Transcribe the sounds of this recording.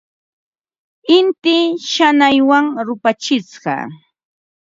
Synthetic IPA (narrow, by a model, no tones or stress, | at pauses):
ɪnt̪ɪʃanajwaŋɾʊpat͡ʃɪt͡sɢɑ̰